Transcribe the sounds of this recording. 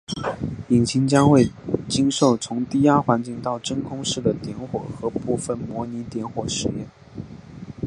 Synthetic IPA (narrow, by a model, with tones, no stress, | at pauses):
i˨˩nt͡ɕʰi˧˥ŋt͡ɕjɑ˥ŋxwe˥˩ɪt͡ɕi˥nʂo˥˩ʊt͡sʰʊ˧˥ŋt̪i˥˩ja˥xwa˧˥nt͡ɕi˥˧ŋt̪ɑ˥˩ʊʈ͡ʂə˥nkʰʊ˥ŋʂɻ̩˥˩d̪ə˩t̪jɛ˧˥nxwɔ˨˩xɤ˧˥pu˥˧fə˥˩nmwɔ˧˥ni˧˥t̪jɛ˧˥nxwɔ˨˩ʂɻ̩˨˩jɛ̰˥˩n